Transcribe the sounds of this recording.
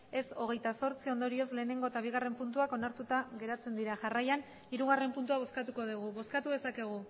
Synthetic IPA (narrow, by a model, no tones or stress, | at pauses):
e̞so̞ɣ̞e̞jt̪aso̞ɾt͡sio̞nd̪oɾio̞zle̞ːne̞ŋɡo̞et̪aβ̞iɣare̞mpunt̪uako̞naɾt̪ut̪aɣe̞ɾat͡se̞nd̪iɾaʝarajan | iɾuɣ̞are̞mpunt̪uaβ̞o̞skat̪uko̞ð̞uɣ̞uβo̞skat̪uðesake̞ɣ̞u